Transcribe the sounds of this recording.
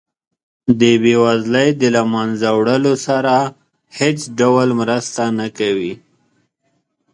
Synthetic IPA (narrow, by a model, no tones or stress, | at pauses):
d̪əbewazləjd̪əlamanzawɽəlosaɾa | het͡sɖawalmɾəst̪anakawi